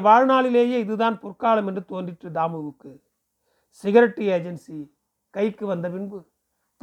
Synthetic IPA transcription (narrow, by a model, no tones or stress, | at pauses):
ʋaːɻnaːɭɪleːjeːɪðɯðaːnpʊrkaːlɐmɛndrɯt̪oːndɪʈrɯd̪aːmɯʋɯkːɯ | sɪɣɐɾɐʈːieːd͡ʒɛnsi | kɐɪkːɯʋɐnd̪ɐpɪɳbɯ | t̪